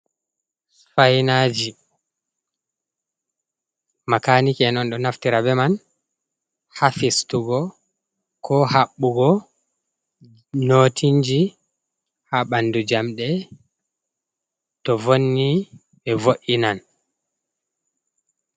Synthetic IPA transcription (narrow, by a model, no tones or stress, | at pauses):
fajnaːd͡ʒi | makaːnikɛnɔnɗɔnaftiɾabɛman | hafistuɡɔ | kʰɔhaɓːuɡɔ | noːtʰiɲd͡ʒi | haɓandud͡ʒamɗɛ | tɔvonːi | ɓɛvoʔinan